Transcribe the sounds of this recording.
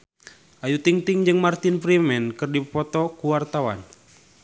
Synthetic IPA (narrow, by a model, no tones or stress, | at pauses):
ʔajut̪iŋt̪iŋd͡ʒɨŋmart̪inpɾimɛnkɨrdipɔt̪ɔkuwart̪awa̰n